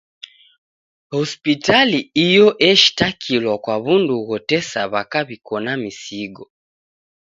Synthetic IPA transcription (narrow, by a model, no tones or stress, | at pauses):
hɔspitaliijɔʔɛʃi̥takʰilwakwaβunduɣɔtɛsaβakaβikɔnamisiɡɔ